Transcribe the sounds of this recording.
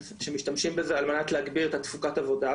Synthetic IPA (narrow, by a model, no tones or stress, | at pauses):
ʃemiʃtamʃimbezealmenat̪leaɡbiʁet̪at̪fukatavo̞da